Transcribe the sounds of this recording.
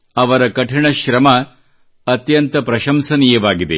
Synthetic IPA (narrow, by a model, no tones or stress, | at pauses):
ɐʋɐɾɐkɐʈʰɐɳɐʃɾɐmɐ | ɐt̪jɐnt̪ɐpɾɐʃɐmsɐnijɐʋaːɡid̪ḛ